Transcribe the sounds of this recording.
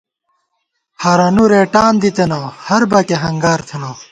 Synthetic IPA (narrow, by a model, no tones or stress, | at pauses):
hɐɾɐnuɾeːʈaːnd̪it̪enaːhɐɾbɐkeɦɐŋɡaːɾt̪ʰenaː